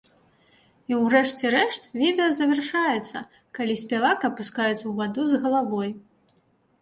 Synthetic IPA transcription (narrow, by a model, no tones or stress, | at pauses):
iwrɛʂt͡sʲɛɾɛʂt̪vʲid̪ɛɐzɐvʲɛrʂajɛt̪sːɐ̰ | kalʲisʲpʲavakɐpuskajut̪sɐwvad̪uzɣɐlˠavɔj